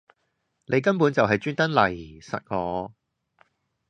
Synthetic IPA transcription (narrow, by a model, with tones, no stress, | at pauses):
nʔe˨˧jk̬ɐ˥npuː˨˥nt͡sɐ˨wɦɐ˨jt͡ʃyː˥nt̪ɐ˥nlɐ˨˩jsɐ̰˨t̚ŋɔː˨˧